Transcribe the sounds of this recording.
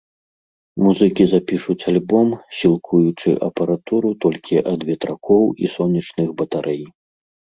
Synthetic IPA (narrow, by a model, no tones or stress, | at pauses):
muzɨkʲizapʲiʂut͡sʲalʲbɔmsʲilˠkʰujut͡ʂɨʔɐpɐɾat̪uɾut̪ɔlʲkʲʰiʔɐd̪vʲɛt̪ɾakʰɔwisɔnʲːit͡ʂnɨxbɐt̪aɾʔɛj